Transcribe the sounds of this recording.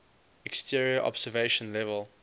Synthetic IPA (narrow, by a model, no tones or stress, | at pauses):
ɛkstʰiəɹiəʔɔ̰bsəveɪʃə̃nlɛvəl